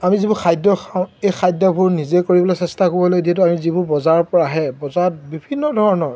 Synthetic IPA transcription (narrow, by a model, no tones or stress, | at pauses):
amizibuxʰajdɔxʰãʊ̃ejxʰajdɔbʱuɹnizekoɹibɔlasɛstakobɔlojdiɛt̬uamizibʊɹbɔzaɹɔpɔɹaɦɛbɔzat̚bibʱinːɔdʱɔɹɔnɔɹ